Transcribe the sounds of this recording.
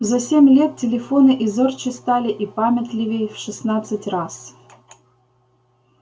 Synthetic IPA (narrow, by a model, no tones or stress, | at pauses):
zɐsʲemʲlʲet̪̚tʲɪlʲɪfonɨʔizɨrt͡ɕɪst̪alʲɪʔipamʲɪt̪ʲlʲɪvʲɪjfʂɨsnat̪sɨtʲras